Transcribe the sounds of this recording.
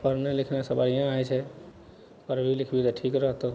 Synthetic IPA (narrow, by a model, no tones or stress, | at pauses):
pəɾnelikʰnasəbaiãajt͡ʃʰɛ | pəɾbʱilikʰbit̪ɔʈʰikɾəɦt̪o